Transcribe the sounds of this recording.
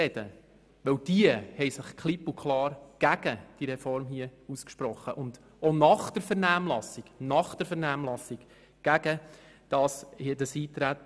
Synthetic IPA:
ɛd̥ə̰ | ʋɵwd̥iəhɛɪsɪχkχlipʊkʰlɑːɾɡ̥æɡ̥əd̥iɾɛfɔɾmhiəuskʃpɾɔχːəʔʊnd | onɑχd̥əɾfɛɾnæːmlɑsɪɡ̥nɑχd̥əɾfɛɾnæːmlɑsɪɡ̥ | ɡ̥æɡ̥ə | d̥ɑshidəsiːt̪ɾæt̪ː

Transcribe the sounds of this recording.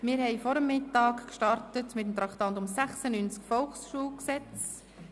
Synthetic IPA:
mɪːɾhɛɪfɔɾəmːɪtːɑːkkʃtɑɾtətmɪtəmt̪ɾɑktɑntʊmsæχsənyːnt͡skfɔlˠχsʃuːlksɛt͡s

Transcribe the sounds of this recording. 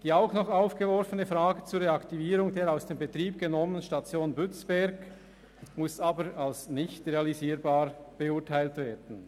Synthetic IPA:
d̥iːaʊxnɔχaʊfɡ̥əvɔɾfənəfʁaːɡət͡suːɾʁeaktiviːɾʊŋdeːɾaʊsd̥eːmbətʁiːp̚ɡ̥ənɔmənənʃtat͡sjoːnbʏt͡sb̥ɛɾɡ | mʊsaːbəɾalsnɪçtrealiziːɾbaːɾb̥əʊːtʰaɪltv̥eːd̥n̩

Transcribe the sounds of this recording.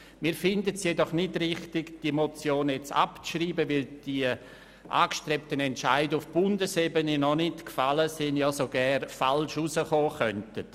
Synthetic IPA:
miːɾfɪndətsjɛdɔχnɪdrɪχtɪɡd̥iəmot͡sjoːnjɛt͡sa̰pt͡sʃriːbəʋɪld̥iə | ʔa̰ːkʃtɾɛp̚tənɛntt͡ʃaɪdufb̥ʊndəsebəninɔnɪtkfaləsɪnjasoɡ̥ɛnfalʃusəχoːχœntət

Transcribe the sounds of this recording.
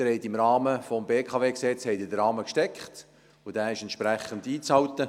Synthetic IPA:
ɾɛɪt̪ɪmɾɑːməfɔmbeːkʰɑveːksɛt͡shɛɪtɪdəɾɑːməkʃtɛkχt | ʊd̥æːɪʃɛntʃprɛχəndiːt͡shɑwt̪ə

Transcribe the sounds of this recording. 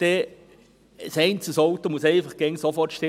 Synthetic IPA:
d̥ɛ | sɛɪnt͡səsoʊt̪omusɛɪfəχɡ̥ɛŋsɔfɔtʃtɪ

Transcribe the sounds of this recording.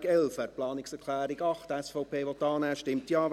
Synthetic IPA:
ɡɛlfɛtplɑːnɪksɛɾkʰlæːɾiɡɑχtɛsfɔʊpʰeːʋot̪ɑːnɛːʃtɪmtjɑː

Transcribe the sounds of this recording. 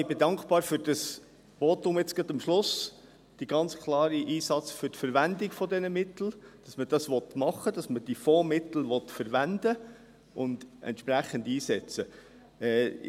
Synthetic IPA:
ibedɑŋkχbɑːɾfʏɾd̥ɑs | boːt̪ʊmɪt͡sɡ̥ɑtɑmʃlʊs | d̥iɡ̥ɑnt͡skʰlɑːɾiʔiːsɑt͡sfʏɾtfəɾʋændɪkfɔdɛnəmɪtl̩d̥ɑsməd̥ɑsʋɔt̪mɑχːəd̥ɑsməd̥ifomɪt̪l̩ʋɔtfəɾʋænd̪ə | ʔʊnd̥̪ɛ̰ntʃpɾæχəndiːsɛt͡sə | ɛː

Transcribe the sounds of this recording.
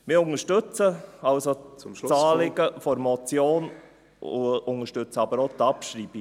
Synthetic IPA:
mɪʊŋəʃtɵt͡səɑlsot͡sɑːlɪɡəfɔɾmɔt͡sjoːn | ʊʊŋəʃtʏt͡səɑbəɾot̪ɑpʃɾiːbi

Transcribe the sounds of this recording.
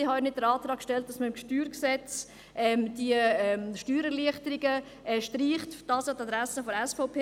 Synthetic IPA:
ɪhɑnɪt̚dəɾɑːtɾɑːkʃtɛlt̚d̥ɑsməɪmkʃtyːɾksɛt͡s | ʔɛmd̥iəɛmʃtyːɾɛɾliəχtəɾiɡə | ɛʃtɾiːχtd̥ɑːsatɑdɾæsəfɔɾɛsfɔʊpʰeː

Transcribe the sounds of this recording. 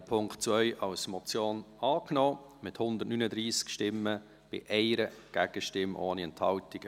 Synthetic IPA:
pʰʊŋktt͡svœʏʔɑwsmɔt͡sjoːnɑːknɔː | mɪthʊnd̪ətnynəd̪ɾiːskʃtɪmːə | b̥ɪ̰ʔɛɪɾəɡ̥æɡ̥əʃtɪmʔo̰ːniɛnthɑltɪɡ̥ə

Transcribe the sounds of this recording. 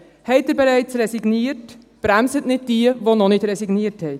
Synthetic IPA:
hɛɪtdɛɾbɛɾæɪt͡sɾɛsiɡniːət | b̥ɾæmsətnɪd̚d̥iəvonɔnɪtɾɛsiɡniːəthɛɪ

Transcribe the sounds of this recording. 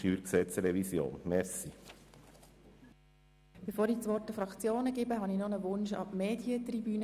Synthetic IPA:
yːɾksɛt͡sɾɛvisjo̰ːnmɛsi | b̥efoːɾit͡sʋɔrtəfɾɑkt͡sjoːnəɡɪbəɦɑninɔnəʋʊnʃɑ̰bmeːdjət̪ribyːnə

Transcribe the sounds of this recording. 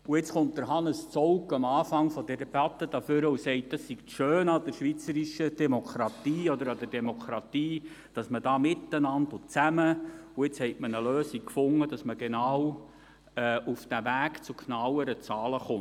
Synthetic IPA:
uɪt͡sχʊnt̚d̥̪əɾɦɑnəst͡sɔʊkəmɑːfɑŋfɔdɛɾɛbɑt̪ːəd̥ɑfʏɾəusɛɪt̚d̥ɑsːiktʃøːnɑd̥əɾʃʋit͡səɾiʃəd̥ɛmokʰɾɑtiːɔd̪əɾɑd̪əɾd̥ɛmokʰɾɑtiː | d̥ɑsmədɑːmɪt̪ːənɑndʊt͡sæməuɪt͡shɛɪtmənəløːsikkfʊŋːəd̥ɑsməɡenɑːw | ɛʔufd̥ævæːkt͡sukʰnɑwəɾət͡sɑːləχʊn

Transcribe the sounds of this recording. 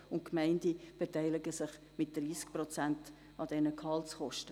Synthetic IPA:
ʊntkmæɪndib̥etæɪlɪɡəsɪχ | mɪt̚d̥riːsk̚prɔt͡sænt | ɑd̥ɛnəkʰɑltsχɔʃtə

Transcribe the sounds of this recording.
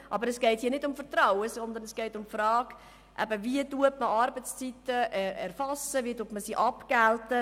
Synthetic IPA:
ʔɑbəɾɛsɡ̥eɪthiːnɪdʊmfət̪ɾawəsɔnd̪ənɛsɡ̥ɛɪtʊmfrɾɑːɡ̥ | ʔɛ̰bəviətuətməʔɑɾbət͡st͡sitəʔɛɛɾfɑsəviətuətməsiʔɑpɡ̥æltə

